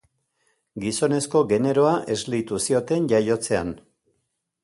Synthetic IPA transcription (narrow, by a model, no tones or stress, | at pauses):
ɡiso̞ne̞sko̞ɡe̞ne̞ɾo̞aʔe̞zlit̪usio̞t̪e̞nʝajo̞t͡se̞an